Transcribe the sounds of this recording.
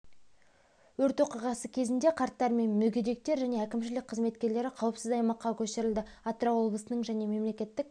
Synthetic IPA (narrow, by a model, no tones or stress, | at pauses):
wɵɾt̪wo̞qijʁɑsəkʲʰe̞zɪnd̪e̞qʰɑɾt̪ːɑɾme̞nmɵɡʲed̪e̞k̚t̪e̞ɾʒæne̞ækʲɪmʃɪlɪk̚ʲqʰəzme̞t̪kʲe̞ɾle̞ɾɪqʰɑwəpsɪzɑjmɑqːɑkʲʰɵst̪ɪɾɪld̪ɪ | ɑt̪ɾawo̞bləsənəɴʒæne̞me̞mle̞kʲe̞t̪ːɪk̚